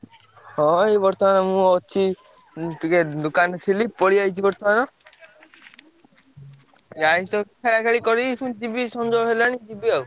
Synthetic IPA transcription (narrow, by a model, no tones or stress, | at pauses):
hɔ̃ebɔɾt̪ɔmanɔmũɔt͡ʃʰi | t̪uked̪ukanɔt̪ʰilipɔɽiajt͡ʃʰibɔɾt̪ɔmanɔ | aisɔkkʰeɽakʰeɭikɔɾikʰũd͡ʒibisɔnd͡ʒoɦelañĩd͡ʒibiau